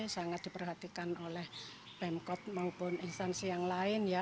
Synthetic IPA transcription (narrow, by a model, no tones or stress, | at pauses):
saŋat̪̚d̪̥ipərɦat̪ikanolɛh | pɛmkɔt̪̚maupʊninst̪ansijaŋlaɪnja